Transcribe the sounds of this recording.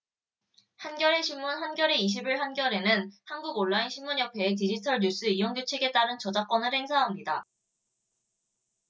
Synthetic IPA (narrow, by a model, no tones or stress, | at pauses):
hanɡjʌɾe̞ɕʰimːunɦanɡjʌɾe̞iɕ̬ʰibiɭɦanɡjʌɾe̞nɯnhanɡuɡoɭːainɕʰimːuɲjʌpʰe̞ːt̬id͡ʑitʰʌɭɲus͈ɯijoŋɡut͡ɕʰeɡe̞t͈aɾɯnt͡ɕʌd͡ʑak͈wʌnɯɭhe̞ŋsʰaɦamɲida